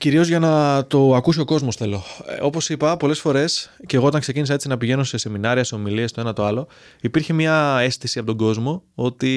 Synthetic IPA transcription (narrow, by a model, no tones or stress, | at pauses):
ciɾio̞zʝɐnɐt̪o̞ɐkusio̞ko̞zmo̞sθe̞lo̞o̞po̞sipɐpo̞le̞sfo̞ɾe̞sceɣo̞ot̪ɐŋkse̞cinisɐet͡sinɐpiʝe̞no̞se̞se̞minɐɾiɐse̞o̞miliest̪o̞e̞nɐt̪o̞ɐlo̞ | ipiɾçemɲɐe̞st̪isiɐpo̞t̪o̞ɡo̞zmo̞o̞t̪i